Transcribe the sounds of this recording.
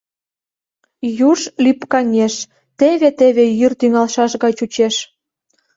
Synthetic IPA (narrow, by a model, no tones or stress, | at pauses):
juʃlipkɑŋʲeʃ | t̪eβet̪eβejyrt̪yŋɑlʃɑʃɣɑt͡ɕut͡ɕeʃ